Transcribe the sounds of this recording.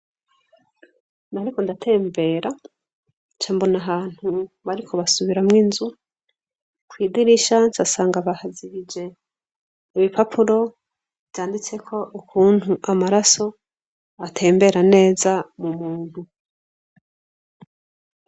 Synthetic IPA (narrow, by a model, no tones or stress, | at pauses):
naaɾiko̞ndatʰe̞ːmbe̞ːɾa | t͡ʃaːmbo̞naɦaːn̥hu | βaɾikʰo̞βasuβiɾamŋiːnzu | kwiːdiɾiʃansasaːŋɡaβahaziβid͡ʒe̞ | iβipapʰuɾo̞ | βjaːndit͡se̞kʰo̞ʔukʰuːn̥huʔamaɾaso̞ | atʰe̞ːmbe̞ɾane̞ːzamumuːn̥hu